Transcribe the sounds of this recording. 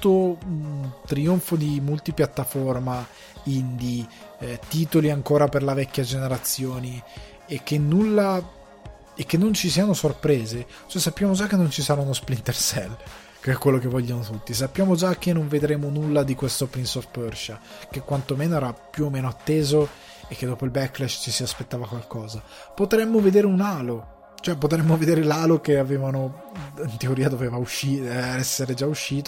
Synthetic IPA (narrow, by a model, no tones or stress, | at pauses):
t̪ːo | t̪ɾioɱfod̪imult̪ipjat̪ːaforma | ind̪i | t̪iːt̪oliaŋkoːɾaperlavɛkːjad͡ʒeneɾat̪sːjoːni | ek̟ːenːulːa | ekːenːont͡ʃisiːanosorpɾeːze | t͡ʃɛsapːjaːmod͡ʒakːenːont͡ʃisaɾaunosplint̪ersɛl | keɛkwelːok̟evːɔʎːanot̪ut̪ːis̬apːjaːmod͡ʒak̟ːenːoɱved̪ɾeːmonulːad̪ikwest̪opɾinsɔft̪pɛrʃakekːwant̪omeːnoɛːɾapːjuomːeːnoat̪ːeːzo | ekːed̪ːɔːpoilbɛkːlɛʃt͡ʃisiaspet̪ːaːvakwalkɔːza | pot̪ɾɛmːoved̪eːɾeunaːlo | t͡ʃoɛpːot̪̬ɾɛmːoved̪eːɾelaːlokeaveːvano | int̪eoɾiːad̪oveːvauʃːiːɛɛsːeɾed͡ʒauʃːiːt̪o